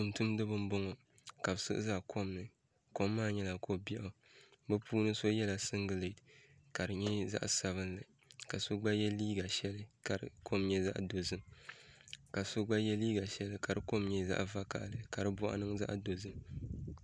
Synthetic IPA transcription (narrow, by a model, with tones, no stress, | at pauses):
tu˨ntu˦mdɨ˦βɨ˦m˦bɔ˦ŋɔ˨ | ka˨bsɨ̰˦ʔɨ̰˦za˦ʔkʰo˦mnɨ˨ | ko˦mːaː˦˨ɲɛ˦la˨kʰo˦bi˦ʔo˨ | bɛ˦pʰuː˦nɨ˦so˦jɛ˦la˨sɨ˦ŋɡɨ˨le˨t | ka˨ɾɨ˨ɲɛ˦za̰˦ʔsa˨βɨ˦nlɨ˨ | ka˨so˦ɡ͡ba˦jɛ˦liː˦ɡa˨ʃɛ˦lɨ˦ka˨ɾɨ̰˦kʰo˦mɲɛ˦za̰˦ʔdo˨zɨ˦m | ka˨so˦ɡ͡ba˦jɛ˦liː˦ɡa˨ʃɛ˦lɨ˦ka˨ɾɨ˦ko˦mɲɛ˦za̰˦ʔva˦ka̰˨ʔlɨ˨ka˨ɾɨ˦bɔ̰˦ʔa̰˦nɨ˦ŋza̰˦ʔdo˨zɨ˦